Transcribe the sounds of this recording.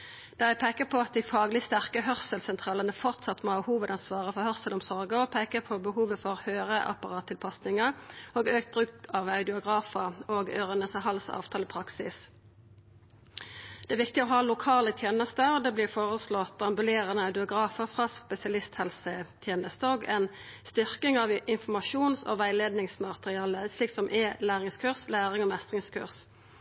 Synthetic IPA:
d̪̥ɑːjæɪpʰeɪkəpʰoːɑt̪̚d̪iɪfɑːɡlɪst̪æʁkəhœʁsəlsɛnt̪ʰʁɑːlənəfɔʁt̪sɑt̪ːmoːɑhuːʋəd̪ɑnsʋɑːʁəfɔʁhœʁsəlɔmsɔʁɡəɔpʰeɪkəpʰobəhuːʋəfɔʁhøːʁəʔɑ̰pɑʁɑːt̪ʰːɪlpʰɑsnɪŋəʁoːɡøːk̚t̪̚bʁʉːk̚t̪ʰɑːʋɑʉd̪ɪʊɡʁɑːfəʁoːɡøːʁənəsɑhɑlsɑ̰ːʋt̪ʰɑːlɪpʰʁɑksɪs | d̪̥ɛæʋɪk̚t̪ɪoɦɑːlʊkʰɑːlət̪ʰjeːnəst̪əd̪ɛːblɪːfoːʁəslɔt̪ːɑmbʉleːʁənəɑʉd̪ɪʊɡʁɑːfəʁfʁɑːspɛsɪɑlɪst̪hɛlsət̪ʰjeːnəst̪əoːɡɛnst̪ʏʁkɪŋɑʋɪnfɔmɑʃuːnsɔ̰ʋæɪleːd̪nɪŋsmɑt̪ʁɪɑːləsɭiːksɔmʔɛlæːʁɪŋskʰʉʁslæːʁɪŋɔmɛst̪ʁɪŋskʰʉ̰ʁs

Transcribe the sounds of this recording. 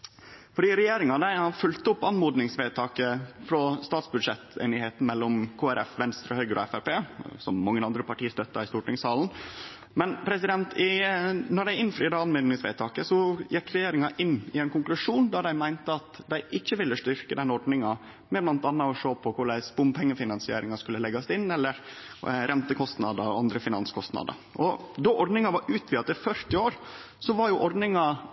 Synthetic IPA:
fɔɖiːɾɛjeːɾɪŋɑd̪æɪhɑfʉlt̪əʊpːɑnmuːd̪nɪŋsʋeːt̪ʰɑːkəfɾɔst̪ɑːt̪sbʉd̪ʂɛt̪ḛːnɪheːt̪n̩mɛlːɔmkʰoːæɾʔɛ̰fʋɛnst̪ɾəhœʏɡəɾʔɔ̰ɛfæɾpeːsɔmːɑŋːənɑnd̪ɾəpɑʈʰiːəst̪œt̪ːɑɪst̪uːʈɪŋsɑːln̩ | mɛnpʰɾɛsɪd̪ɛnt̪ʰɪnɔɖæɪʔɪnːflɾiːdɑɑnmuːd̪nɪŋsʋḛːt̪ʰɑːkəsɔjɛkɾɛjeːɾɪŋɑʔɪnːɪæɪnkʊŋklʉʂuːnd̪ɑd̪æɪmæɪnt̪əɑt̪d̪æɪʔɪçːəʋɪlːəst̪ʏɾkəd̪ɛnːɔɾɖ̪nɪŋɑ | mɛblɑnt̪ɑnːɑɔʂoːpʰɔkʊɖæɪspʊmpʰɛŋːəfɪnɑnsɪḛːɾɪŋɑskʉlːəlɛɡɑsɪnːɛlːəɾ | ɾʔɛnt̪əkʰɔst̪nɑ̰d̪əɾɔɑnd̪ɾəfɪnɑ̰nskʰɔst̪nɑ̰d̪ə̰ɾʔɔd̪ɔʔɔɾɖ̪nɪŋɑʋɑɾʉːt̪ʰʋɪːɑt̪ɪfœɾt̪ɪoːɾ | sɔʋɑɾjʊʔɔɾɖ̪nɪŋɑ

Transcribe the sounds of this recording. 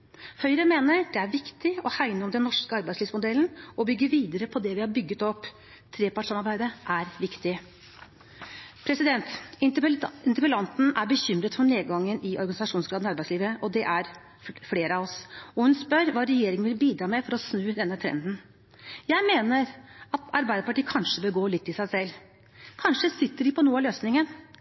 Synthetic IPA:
hœʏɾəmeːnəɾd̪ɛæɾʋɪkt̪ɪɔhæɪnəɔmd̪ɛnːɔʂkəɑɾbæɪsliːʋsmʊd̪ɛlːnɔbʏɡːəʋiːd̪əɾəpʰɔd̪ɛʋɪhɑɾbʏɡːət̪ɔpː | t̪ʰɾeːpɑʈʂɑmɑɾbæɪd̪əʔæɾʋɪkt̪ɪ | pʰɾɛsɪd̪ɛnt̪ | ɪnt̪əpəlɑnt̪n̩æɾbəɕʏmɾət̪fɔɳeːɡɑŋːənʔɪʔɔɾɡɑnɪsɑʂuːnsɡɾɑːd̪nɪɑɾbæɪsliːʋəʔɔd̪ɛʔæɾ | fleːɾəɑʋɔsɔhʉnspœɾʋɑːɾɛjeːɾɪŋəʋɪlbiːd̪ɾɑːmɛfɔɾɔsnʉːd̪ɛnːət̪ʰɾɛ̰nd̪n̩ | jæɪmeːnəɾɑt̪ɑɾbæɪd̪əpɑʈiːəkʰɑnʂəbəlɡoːlɪt̪ːɪsæɪsɛlː | kʰɑnʂəsɪt̪ːəɖɪpʰɔnuːəɑløːsnɪŋən

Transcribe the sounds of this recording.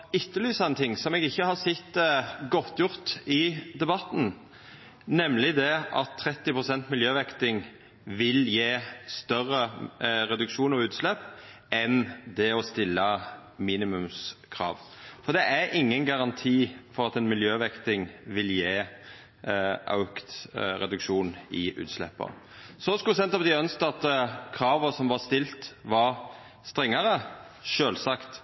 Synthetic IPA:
ɪt̪ːəlyːsɑɛnt̪ʰɪŋːsɔmɛɡɪçːəhɑsɛt̪ːɡɔt̪ːjʊʁt̪ɪd̪ɛbɑt̪n̩ | nɛmlɪd̪ɛʔɑt̪ʰːɾɛt̪ːɪpʁʊsɛnt̪mɪljøːʋɛkt̪ɪŋ | ʋɪljeːst̪œʁːəʁɛd̪ʉkʃuːnɔʉːt̪slɛpː | ɛnd̪ɛɔst̪ɪlːə | miːnɪmʉmskʰɾɑ̰ːʋfɔd̪ɛʔæɾʔɪŋːənɡɑɾɑnt̪ʰiːfɔɾɑt̪ɛnmɪljøːʋɛkt̪ɪŋʋɪljeː | ʔɑ̰ʉkt̪ɾɛd̪ʉkʂuːnɪʉ̰ːt̪slɛ̰pːə̰ | sɔskʉsɛnt̪ɑpd̪ɪœnst̪ɑt̪kʰɾɑːʋəsɔmʋɑst̪ɪlt̪ʋɑɾ | st̪ɾɛŋːəɾə | ʃøːlsɑkt̪

